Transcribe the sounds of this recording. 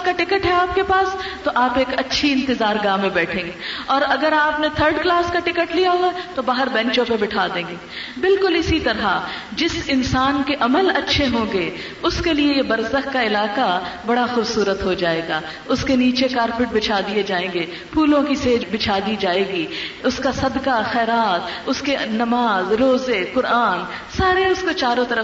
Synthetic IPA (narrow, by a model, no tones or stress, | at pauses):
kaʈɪkəʈɦɛaːp̚kepaːst̪oʔaːpeːkɐtːʃʰiɪ̃nt̪ɪzaːɾɡaːmẽbɛːʈʰẽːŋɡeɔːɾɐɡəɾaːpnet̪ʰəɾɖklaːskaʈɪkəʈlijaɦoat̪obaːɦəɾbɛ̃nt͡ʃõpebɪʈʰaːd̪ẽːŋɡeː | bɪlkʊlɪsit̪ɐɾa | d͡ʒɪsɪnsaːnkeʔɐməlɐtːʃʰeɦõːɡe | ʊskeliejebɐɾzəxkaɪlaːkabɐɽaxʊbsuːɾət̪ɦod͡ʒaːeːɡaː | ʊskeniːt͡ʃekaːɾpɪʈ̚bɪt͡ʃʰaːd̪ied͡ʒaːẽːŋɡeː | pʰuːlõkiseːd͡ʒbɪt͡ʃʰaːd̪id͡ʒaːeːɡiʊskasɐd̪kaxɛːɾaːt̪̚ʊskenɐmaːzɾoːzekʊɾaːn | saːɾeʊskot͡ʃaːɾõt̪ɐɾə